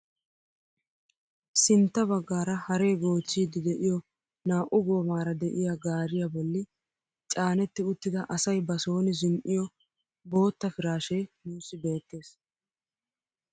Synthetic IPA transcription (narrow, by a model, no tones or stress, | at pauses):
sɪnt̪ːɐbɐɡːaːɾɐhɐɾe̞ːɡo̞ːt͡sːiːd̪ɪd̪ɛʔɪjɔ | naːʔʊɡo̞ːmaːɾɐd̪ɛʔɪjaːɡaːɾɪjabɔlːɪ | t͡ʃʼaːnɛt̪ːɪʊt̪ːɪd̪ɐʔɐsɐjbɐso̞ːnɪzɪnʔɪjɔ | bo̞ːt̪ːɐfɪɾaːʃeːmuːsɪbe̞ːt̪ːe̞ːs